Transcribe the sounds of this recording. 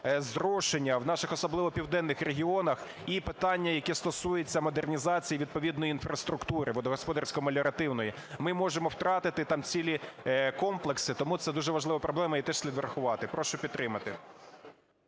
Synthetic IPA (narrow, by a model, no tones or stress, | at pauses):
zɾɔʃenʲːɐwnɑʃɪxɔsɔblˠɪʋɔpʲiwd̪ɛnːɪxɾeɦʲiɔnɐx | ipɪt̪ɑnʲːɐjɐkɛst̪ɔsujet͡sʲːɐmɔd̪ernʲizɑt͡sʲijiʋʲid̪̚pɔʋʲid̪nɔjiinfɾɐst̪ɾʊkt̪uɾɪʋɔd̪ɔɦɔspɔd̪ɐrsʲkɔmɐlʲɔɾɐt̪ɪwnɔji | mɪmɔʒemɔwt̪ɾɑt̪ɪt̪ɪt̪ɑmt͡sʲilʲikɔmplˠeksɪt̪ɔmut̪sɛd̪uʒɛʋɐʒlɪʋɐpɾɔblˠɛmɐit̪ɛʃsʲlʲid̪ʋeɾɐxʊʋɑt̪ɪpɾɔʃʊpʲid̪̚t̪ːɾɪmɐt̪ɪ